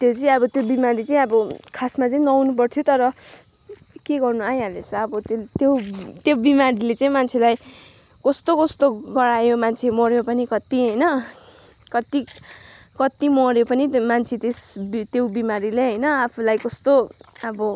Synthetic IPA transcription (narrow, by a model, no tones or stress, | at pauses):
t̪jot͡sʌĩʌbʌt̪jobimaɾit͡saĩʌbʌkʰasmat͡sʌĩnʌwnup̬ʌrt̪ʰjot̪ʌɾʌ | keɡʌrnuajalet͡sʰʌʌbʌt̪t̪jot̪jobimaɾilet͡sʌĩmant͡sʰelaj | kʌst̪okʌst̪oɡʌɽajomant͡sʰemʌɾjopʌnikʌt̪iɦʌjnʌ | kʌt̪i | kʌt̪imʌɾjopʌnimant͡sʰet̪esbit̪jowbimaɾileɦʌjnʌapʰulajkʌst̪oʌbʌ